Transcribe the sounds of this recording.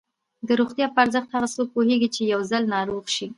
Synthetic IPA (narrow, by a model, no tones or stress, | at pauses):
d̪əɾoxt̪jɑpəaɾzəxt̪haɣasok̚poheɡit͡ʃejawzalnɑɾoɣʃi